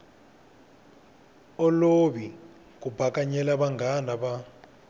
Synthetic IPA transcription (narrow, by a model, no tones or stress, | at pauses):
ɔloβi | kubʱakaɲɛlaβaŋɡanaβa